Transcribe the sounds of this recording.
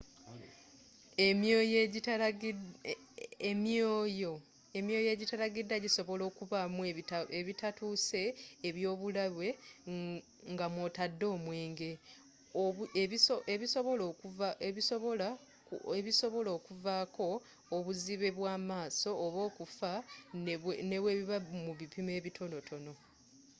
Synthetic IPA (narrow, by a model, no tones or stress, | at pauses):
emjoːjeɟita | emjoːjo | emjo̞ːje̞ːɟitalaɡidːaɟiso̞βo̞lo̞ːkuvamueeβitatuːse̞ːβjo̞ːβulaβwe̞ | ŋɡamwotadːo̞ːmwe̞ːŋɡe̞ | oeisoeβisoβolokuvaeβiso̞βo̞la | eβiso̞βo̞lo̞ːkuvako̞ː | βuziβe̞βwaːmaːso̞ːβo̞ːkufa | ne̞βweβiβamuβipime̞ːβitʰo̞no̞tʰo̞no̞